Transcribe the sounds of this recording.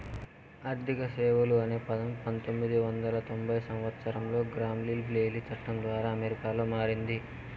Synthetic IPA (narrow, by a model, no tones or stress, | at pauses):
ɐɾd̪ʱikɐseːʋɐluɐne̞ːpɐd̪ɐmpɐnt̪o̞mːid̪iʋɐnd̪ɐlɐt̪o̞mbʱɐjsɐmʋɐt̪sɐɾɐmlo̞ːɡɾaːmlilble̞ːlit͡ʃɐʈːɐnd̪ʋaːɾaːɐmeɾikaːlo̞ːmaːɾind̪i